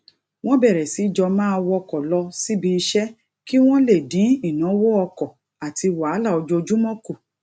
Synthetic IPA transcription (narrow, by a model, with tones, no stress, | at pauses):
w̃ɔ̃˦bɛ˦˨ɾɛ˨si˨˦d͡ʒɔ˧mãː˦˧wɔ˧kɔ˨lɔ˧si˦bi˧ʃɛ˦ | ki˦w̃ɔ̃˦le˦˨di˨˦i˦˨nã˨˦wo˦ɔ˧kɔ˨ | a˨ti˧wa˨˦la˦˨ɔ˧d͡ʒo˧o˧d͡ʒu˦mɔ̃˦ku˦˨